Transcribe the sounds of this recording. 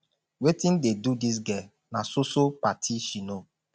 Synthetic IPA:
wetin̩dedudis̬ɡɛ | nasosopatʰiʃino

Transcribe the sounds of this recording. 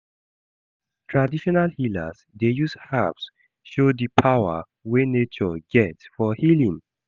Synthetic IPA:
tʰɹadiʃɔnalhila̰z | dejushaps | ʃodipʰawə̰ | wenet͡ʃɔɡɛtfɔhilĩŋ

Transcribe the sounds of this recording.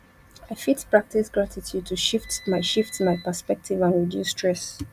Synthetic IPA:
aɪfitpɹak̚tisɡɹatʰitʰjud̚tʰuʃiftmaɪʃiftmaɪpəspɛk̚tʰivãnɹidjṵsːtʰɹɛs

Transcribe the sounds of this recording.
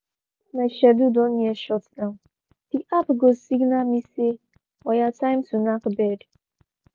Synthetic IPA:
naʃadudɔnieʃɔtdaʊ̃n | diʔapɡosiɡnamise | ɔjatãɪmsunakbɛd

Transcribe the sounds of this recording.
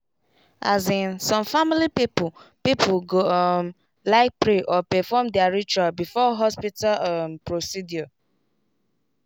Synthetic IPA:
azĩnsɔ̃mfamilipipʊpipʰulɡoɔm | laɪk̚pɹeʔɔpɛfɔmdɛaɹit͡ʃualbifɔɦɔspitalɔmpɹosidjɔ

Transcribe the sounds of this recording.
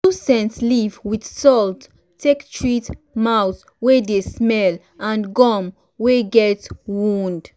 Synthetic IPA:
tusɛ̃ntslivwidsɔltːʰ | ektʰɹit | maws | wedesmɛl | ãnɡɔm | weɡɛtwũnd

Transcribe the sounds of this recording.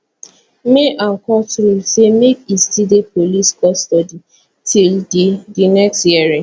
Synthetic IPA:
meʔãŋkɔtɾusemekistidepoliskɔstɔdi | tʰilddinɛkstjiɛɹĩ

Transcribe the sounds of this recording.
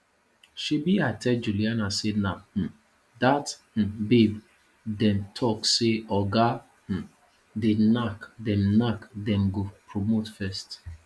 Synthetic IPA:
ʃibiatʰɛd͡ʒulianasenah̩ | dath̩beb | dɛ̃mtʰɔkseɔɡa | h̩ | denakdɛ̃mnakdɛ̃mɡopɾomotfɛst

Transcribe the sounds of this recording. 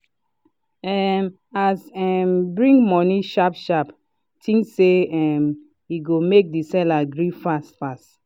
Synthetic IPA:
ɛm | asɛmbɹĩŋmɔniʃapʃap | tʰĩŋːeɛm | iɡomek̚disɛlaɡɹifastfast

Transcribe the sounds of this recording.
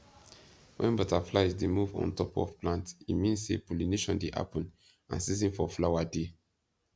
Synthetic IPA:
wʔɛ̰̃nbɔtaflaɪzdemuvɔ̰̃ntɔpɔ̰vplãntimĩnssḛpulineʃɔ̃ndeʔa̰pə̃n | ã̰nsizĩnfɔflawade

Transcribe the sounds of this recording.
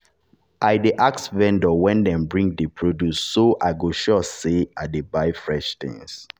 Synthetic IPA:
aɪdeʔaksvɛ̃ndɔwɛ̃ndɛ̃mbɹĩŋdepʰɹodusːoʔaɪɡoʃɔseadebaɪfɹɛʃθḭ̃ŋs

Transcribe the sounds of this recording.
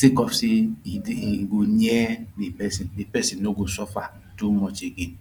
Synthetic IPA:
sikɔfsi | ɡoɲɛnepɛsindepɛsĩnːoɡosɔfa | tumɔt͡ʃeɡe

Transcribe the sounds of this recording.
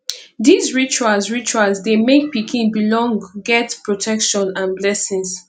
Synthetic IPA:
dizɹit͡ʃualsɹit͡ʃualzdemek̚pikʰĩnbilɔ̃ŋɡɛtpɹotʰɛkʃɔ̃nãnblɛsĩŋs

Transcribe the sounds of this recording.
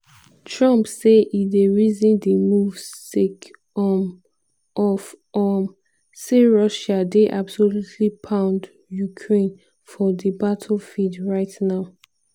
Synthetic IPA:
tʰɹʌ̃mpseʔideɹizĩndemuvtek | ɔm | ɔfɔm | seɹɔʃadeʔabsolutʰlipʰãʊ̃nd | jukʰɹẽn | fɔdibatʰl̩fidɹaɪtnaʊ

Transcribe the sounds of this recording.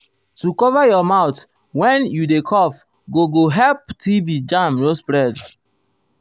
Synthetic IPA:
tukɔvajɔmaʊt | wɛ̃njudekʰɔf | ɡoɡoɦɛlp̚tibid͡ʒãmɾospɾɛd

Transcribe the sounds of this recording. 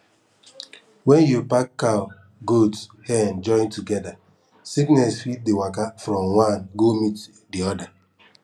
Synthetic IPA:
wɛ̃njupakːaʊ | ɡotshɛnd͡ʒɔ̃ɪ̃ntuɡɛda | siknɛsfit̚dewakafɾɔmwãnɡomit | diɔda

